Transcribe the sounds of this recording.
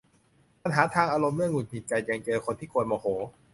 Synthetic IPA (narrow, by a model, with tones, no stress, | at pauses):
pa˧nɦaː˩˦t̪ʰaː˧ŋʔaː˧ɾo˧mlɯ˥˩əŋu˨˩mʰi˧˩t͡ɕa˧jja˧ŋt͡ɕɤː˧kʰo˧nt̪ʰiː˥˩kʰoː˧nmɔː˧hoː˩˦